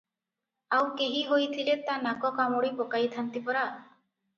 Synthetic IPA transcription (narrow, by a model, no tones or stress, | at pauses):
awkeɦiɦojt̪ʰilet̪anakɔkamoɽipɔkajt̪ʰant̪ipɔɾa